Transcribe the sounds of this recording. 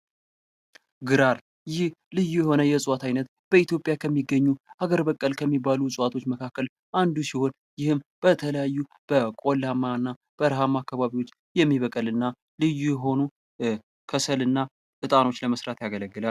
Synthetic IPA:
ɡɨɾaɾ | jɪhlɨjːujɛho̞nəjɛsʼwat̪ʰajnət̪ | b̥əit̪jo̞pʼjakʰəmːiɡːəɲːuʔaɡəɾbəkʼːəlkʰəmːibalusʼwat̪ʰo̞t͡ʃːməkʰakːəl | ʔand̪usiho̞n | jɪhɨmb̥ət̪ʰələjajːu | b̥əkʼo̞lamanːa | b̥əɾɦamːakːaβaβiwo̞t͡ʃː | jɛmːiβəkʼəlɨnːa | lɨjujɛɦo̞nu | kʰəsəlɨnːa | ʔɨt̪ʼano̞t͡ʃːləməsɾat̪jaɡələɡːɨlal

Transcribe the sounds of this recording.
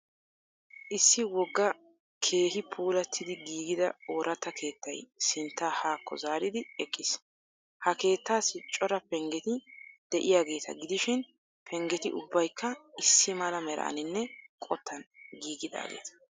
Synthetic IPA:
ʔɪsːɪwɔɡːɐ | kʰe̞ːhɪpʰuːlɐt̪ʰːɪd̪ɪɡiːɡɪd̪ɐ̰oːɾʔɐt̪ːɐkʰe̞ːt̪ʰːɐjsɪnt̪ːaːhaːkʰːɔ̰zaːɾɪd̪ɪɛkʼːɪs | hɐke̞ːt̪ːaːsɪt͡ʃʼːɔɾɐpɛŋɡɛt̪ɪd̪̥ɛʔɪjaːɡe̞ːt̪ɐ̰ɡɪd̪ɪʃɪn | pʰɛŋɡɛt̪ɪʔʊbːɐjkʰːɐɪsːɪmɐlɐmɛɾɐ̰ʔɐ̰nɪnːɛkʼɔt̪ʰːɐnɡiːɡɪd̪a̰ːɡḛːt̪ɐ̥

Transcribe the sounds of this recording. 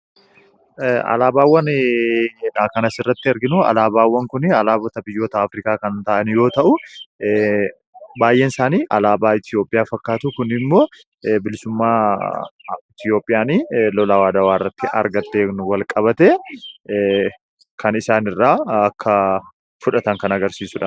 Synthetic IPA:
ɐ̰laːbaːwːɐn | ᶑaːkɐnɐsɪrːɐt̪ːɪɐɾɡɪnuɐ̰laːbaːwːɐŋkʊnɪɐlaːbɔt̪ɐbɪjːo̞ːt̪ɐːfɾiːkaːkɐnnt̪ɐʔɐnjo̞ːt̪ɐʔʊ | baːjːe̞ːnsaːniːʔɐlaːbaːɪt̪jo̞ːpʼɪjaːfɐkːaːt̪ʊkʊnɪmːo̞ː | bɪlɪsʊmːaː | ɪt̪jo̞ːpʼːɪjaːniːlɔlaːwaːd̪ɐwaːɪrːɐt̪ːɪʔɐ̰ɾɡɐt̪ːeːnʊwɐlkʼɐbɐt̪e | kʰɐnɪsaːnɪrːaːɐkːɐ | fʊᶑɐt̪ɐŋkɐnɐɡɐɾsiːsʊᶑaː

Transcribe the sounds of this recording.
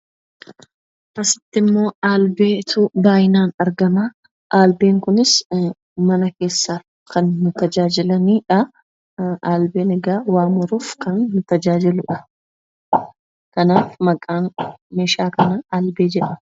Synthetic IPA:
ʔɐsɪ̥t̪ːɪmːo̞ːaːlbeːt̪ʰʊbaːjɪnaːnɐɾɡɐmaː | ʔaːlbeːŋkʊnɪs | mɐnɐke̞ːsːa | kʰɐnːʊt̪ɐd͡ʒaːd͡ʒɪlɐniːᶑɐ | ʔaːlbeːnɛɡaːwaːmɔɾuːfkɐnːʊt̪ɐd͡ʒaːd͡ʒɪlʊᶑɐ̥ | kɐnaːfmɐkʼːaːnmeːʃaːkɐnɐaːlbe̞ːd͡ʒɛᶑɐ

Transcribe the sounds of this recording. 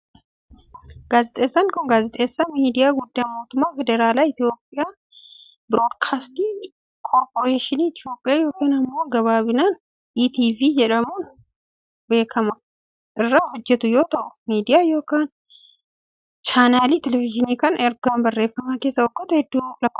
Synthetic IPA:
ɡ̥aːzɪt̪ʼeːsːɐnkɔnɡaːzɪt̪ʼeːsɐmiːd̪ɪjaɡʊd̪ːajmoːt̪ʊmːafɛd̪ɛɾaːlaɪt̪jo̞ːpʼːɪja | bɾodkʰaːst̪i | kʰoɾpoɾeːʃɪniɪt̪ɪjo̞ːpʼːɪjaːjoːkeːnɐmːoːnɡɐβaːβɪnan | iːt̪iːvijɛᶑɐmun | beːkʰɐmɐ | ʔɪrːahʊd͡ʒːɛt̪ʊjoːt̪ʰɐʔʊ̥miːd̪ɪjajoːkɐn | t͡ʃaːnaːlit̪ʰɛlɛvɪʒɪnikɐnɛɾɡanbɐrːeːfɐmakeːsːɐʊkʼːɔt̪ɐhɛd̪ːukʼlɐkʼː

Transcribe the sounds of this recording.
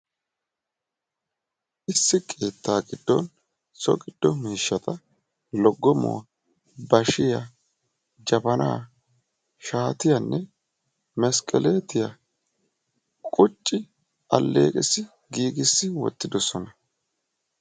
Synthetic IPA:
ʔɪsːɪkʼe̞ːt̪ːaːɡɪd̪̥ːɔ̰n | sɔ̰ɡɪd̪̥ːɔmiːʃːɐt̪ɐ | lɔɡːɔmo̰ | bɐʃɪjɐ | d͡ʒɐbɐna̰ː | ʃaːt̪ɪjɐnːɛ | mɛskʼɛleːt̪ɪjɐ | kʼʊt͡ʃʼːɪ | ʔɐlːḛːkʼɪsːɪ | ɡiːɡɪsːɪwɔ̰t̪ːɪd̪ɔsɔnɐ

